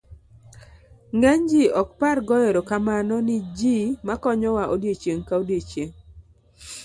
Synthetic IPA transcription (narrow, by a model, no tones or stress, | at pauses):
ŋɡɛɲd͡ʒiɔkparɡɔjɛɾɔkamanɔnɪd͡ʒimakɔɲɔwaʔodjet͡ʃjeŋkaodjet͡ʃjeŋ